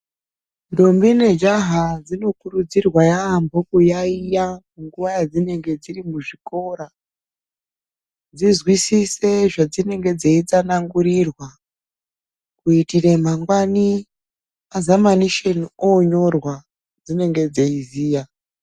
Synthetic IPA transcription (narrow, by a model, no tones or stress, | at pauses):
ndombine̞d͡ʒaɦad͡zino̞kuɾud͡zirwajaːmbokujaijamuŋɡuʋajad͡zine̞ŋɡe̞d͡zirimuʐiko̞ɾa | d͡zizwisise̞ʐad͡zine̞ŋɡe̞d͡zeit͡sanaŋɡuɾirwa | kuitirem̤aŋɡwani | azamaniʃenoɲo̞rwa | d͡zine̞ŋɡe̞d͡zeiziːja